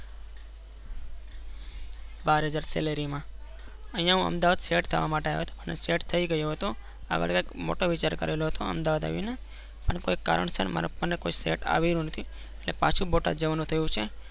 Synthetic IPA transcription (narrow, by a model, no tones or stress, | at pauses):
baɾɦəd͡ʒaɾsḛleɾimã | ə̃ɦĩjãɦũə̰md̪aʋad̪seʈt̪ʰəʋamaʈea̰ʋet̪o̥pəneseʈt̪ʰəiɡəjoɦət̪o | a̰ɡə̰ɭkakmo̰ʈoʋɪt͡ʃaɾkə̰ɾeloɦət̪oə̰md̪aʋad̪a̰ʋjune | pəɳkoekːa̰ɾə̰ɳsənma̰ɾ̰pənːekoisḛʈa̰ʋelũnət̪ʰi | eʈlepãt͡ʃʰũboʈa̰d͡ʒəʋanũt̪ʰəjũt͡ʃʰe